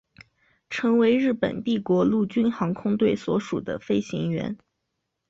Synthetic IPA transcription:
ʈ͡ʂʰɤ˧˥ŋwe˧˥ɪɻɻ̩˥˩pə̰˨˩nt̪i˥˩kwɔ˧˥lu˥˩t͡ɕy˥nxɑ˧˥ŋkʰʊ˥ŋt̪we˥˩ɪswɔ˧˥ʂu˨˩d̪ə̰˦fe˥ɪɕḭ˧˥ŋɥɛ̰˧˥n

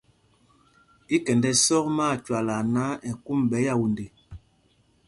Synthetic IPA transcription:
ki˦kɛ˨ndɛ˦sɔ˦kmaː˦˨t͡ʃwa˨la˨na˦ɛ˨ku˦mbɛ˨˦ja˦˨wu˨nde˨

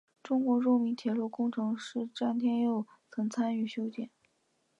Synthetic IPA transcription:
ʈ͡ʂʊ˥ŋkwɔ˧˥ɻɔ˥˩mi˧˥nt̪ʰjɛ˧˥lwɔ˥˩kʊ˥ŋʈ͡ʂʰɤ˧˥ŋʂɻ̩˥˩ʈ͡ʂa˥nt̪ʰjɛ˥njo˥˩ʊ | t͡sʰɤ˧˥ŋt͡sʰa˥ny˥˩ɕjo˥ʊt̪jɛ˨˩˦n

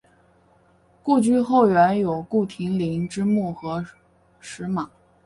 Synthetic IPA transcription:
ku˥˧t͡ɕy˥˧xo˥˩ʊɥɛ˧˥njo˨˩ʊku˥˩t̪ʰi˧˥ŋli˧˥ŋʈ͡ʂɻ̩˥mu˥˩xɤ˧˥ | ʂɻ̩˧˥ma˨˩˦

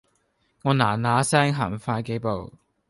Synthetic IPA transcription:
ŋɔː˨˧naː˨˩naː˨˧sɛː˥ŋɦaː˨˩mfaː˧jke˨˥jpo˨w

